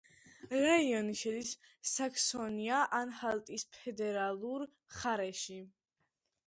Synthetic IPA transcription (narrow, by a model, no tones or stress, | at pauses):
ɾaiɔniʃɛd̪isː | akʰsɔniaʔanhalˠt̪ʼispʰɛd̪ɛɾalˠuɾ | χaɾɛʃi